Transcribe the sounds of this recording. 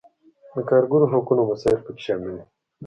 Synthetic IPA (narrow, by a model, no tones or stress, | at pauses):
d̪əkaːɾɡuɾoɦakunomɐsaːɪlpəki̥ʃamini